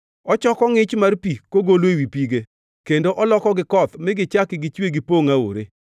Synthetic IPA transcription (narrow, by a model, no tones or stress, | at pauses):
ɔt͡ʃɔkɔŋɪt͡ʃmarpikoɡolwewipiɡe | kendoʔɔlɔkɔɡɪkɔt̪mɪɡɪt͡ʃakɪɡɪt͡ʃweɡɪpoŋao̰ɾe